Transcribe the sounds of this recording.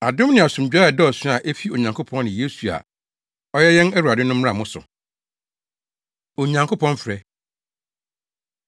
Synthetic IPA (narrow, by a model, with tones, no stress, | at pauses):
a˨dʊ̃˦m˦nɪ̃˨a˨sũ˨m˨d͡ʑᶣa˦ɛ˨dɛ˦ɔ˨sɪ̃˦a˨ʔe˦fi˦o˨ɲã˨ŋkʰʊ˦pʰɔ̃˦n˦nɪ̃˨je˦su˨a̰˨ | ɔ˦jɛ˦jɛ̃˦nɛ˦wu˨a˨dɪ˦nʊ̃˦m̩ː˦a˦˨mʊ̃˦sʊ̰˨ | o˨ɲã˨ŋkʰʊ˦pɔ̃˦nfɾɛ˦